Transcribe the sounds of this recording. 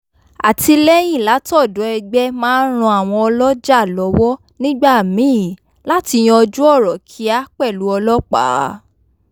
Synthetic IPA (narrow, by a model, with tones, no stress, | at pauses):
a˨ti˧lɛ˦j̃ĩ˦˨la˨˦tɔ˦˨dɔ˨˦ɛ˧ɡ͡bɛ˦mãː˦n˦ɾ̃ũ˧a˨w̃ɔ̃˧ɔ˧lɔ˦d͡ʒa˦˨lɔ˨˦wɔ˦ | nĩ˦ɡ͡ba˦˨mĩ˨˦˨ | la˨˦ti˧j̃ɔ̃˧ɔ˧d͡ʒu˦ɔ˦˨ɾɔ˨kʰi˨˦a˦k͡pɛ˦˨lu˨˦ɔ˧lɔ˦k͡pa̰ː˨˦